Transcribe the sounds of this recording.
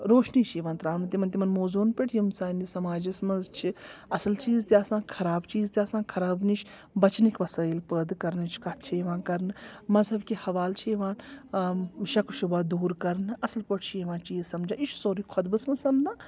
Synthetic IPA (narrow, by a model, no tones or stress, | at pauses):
ɾoːʃnit͡ʃʰeʋãːnt̪ɾaːnɨt̪imɐnt̪ʲimɐnmoːzuːnpiʈʰjimsaːnisɐmaːd͡ʒismɐzt͡ʃʰiɐsɐlt͡ʃiːzt̪iaːsãːkʰɐɾaːbt͡ʃiːzt̪iaːsãːnkʰɐɾaːbnit͡ʃʰ | bɐt͡ʃnikʋɐsaːjilpəːd̪kɐɾnt͡ʃʰkat̪̚ʰt͡ʃʰiʋãːnkɐɾnɨmɐzɐbkihɐʋaːlt͡ʃʰieʋãːn | ʃɐkʃubad̪uːɾkɐɾnɨɐsɨlpɐʈʰt͡ʃʰieʋãːnt͡ʃiːzsɐmd͡ʒãːit͡ʃʰsoːɾikʰɔd̪bɨsmɐsɐmnãː